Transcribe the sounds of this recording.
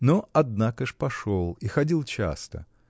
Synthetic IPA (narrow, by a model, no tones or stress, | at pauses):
noɐd̪nakəʂpɐʂolˠixɐdʲilˠt͡ɕa̰st̪ə̰